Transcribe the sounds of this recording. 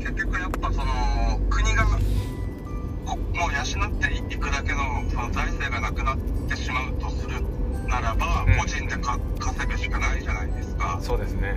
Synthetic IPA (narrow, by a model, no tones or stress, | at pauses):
ke̞kʲːo̞kɯ̟japːaso̞no̞kɯ̟ɲ̟iɡa | komo̞ːjaɕinat̪ːe̞ikɯ̟d̪ake̞no̞so̞no̞zaise̞ːɡanakɯ̟nat̪ːe̞ɕimaɯ̟t̪o̞sɨɾɯ̟naɾabamo̞ʑĩnd̪e̞kakʰase̞bɯ̟ɕi̥kanaiʑanaid̪e̞sɨ̥ka̰soːd̪esɨne